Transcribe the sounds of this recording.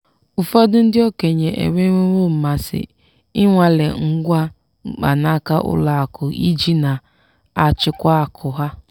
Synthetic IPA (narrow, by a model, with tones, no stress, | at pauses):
ʊ˨fɔ˦dʊ˦n̩˦dɪ˦o˦ke˨ɲe˨ʔḛ˨mʷe˦e˦ŋo˦m̩˨ma˨sɪ̰˨ | ɪ˦ŋʷa˨le˨ŋ̩˦ɡʷa˦ | ŋ͡m̩˨k͡pa̰˨na˦ka˦ʔʊ̰˦la˨a˨kʰʊ˨ʔḭ˦d͡ʒi˦na˨ | a˨t͡ʃɪ˦kʷa˦a˨kʰʊ˨ɦa˦